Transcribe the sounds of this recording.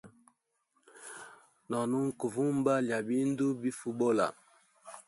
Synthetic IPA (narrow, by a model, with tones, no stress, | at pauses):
nɔ˨nu˦ŋ˦ku˨vu˦m˦ba˦lja˨bi˦n˦du˦bi˦fu˨bɔ˦la̰˨